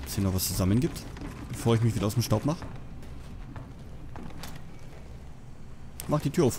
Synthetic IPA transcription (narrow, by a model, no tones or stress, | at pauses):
sinɔχvast͡suzamənɡiːp̚tb̥əfoːɐɪç̬mɪçviːdɐaʊtemʃtaʊpmaχə | maχd̥iːtʰyːɐaʊf